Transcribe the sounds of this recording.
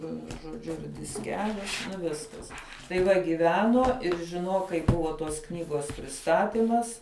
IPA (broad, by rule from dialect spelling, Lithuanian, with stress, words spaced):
ʋʲiɛˈnʊ ʒoːˈd͡ʒʲʊ ɪr dʲɪsʲˈkʲæːlʲʊ nʊ ˈʋʲɪskɐs tɐɪ ˈʋɐ ɡʲiːˈʋʲæːnuɔ ɪr ʒʲɪˈnuɔk kɐɪ ˈbʊʋoː toːs ˈknʲiːɡoːs pʲrʲɪˈstɑːtʲɪmɐs